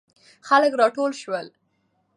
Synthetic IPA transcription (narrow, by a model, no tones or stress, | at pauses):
xaləkɾɑʈolʃwəl